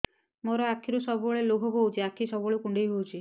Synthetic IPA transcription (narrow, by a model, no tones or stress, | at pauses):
moɾɔakʰːiɾusɔbɔɭeloɡʱɔɦowt͡ʃʰiakʰisɔboɭekuɳɖejɦowt͡ʃʰi